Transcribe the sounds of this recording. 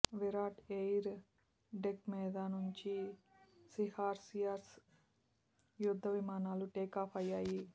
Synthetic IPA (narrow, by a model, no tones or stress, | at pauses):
ʋiɾaːʈejɾ | ɖekmiːd̪ɐnuɲt͡ʃi | sihaːɾsijaːɾs | jud̪ʱːɐʋimaːnaːluʈeːkaːpʰɐjːaːji